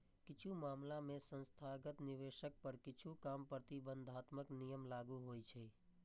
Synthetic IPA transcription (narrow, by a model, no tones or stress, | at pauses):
kɪt͡ʃʰumaːmlamẽsə̃nst̪ʰaɡət̪nɪʋeːʃək̚pəɾkɪt͡ʃʰukaːmpɾət̪ibə̃nd̪ʱaːt̪məknijəmlaːɡuɦoːit͡ʃʰɛː